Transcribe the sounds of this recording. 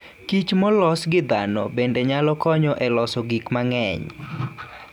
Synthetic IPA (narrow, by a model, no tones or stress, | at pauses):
kit͡ʃmɔlɔsɡɪd̪anɔ̰bendeɲalɔkɔɲɔʔɛlɔsɔɡikmaŋɛɲ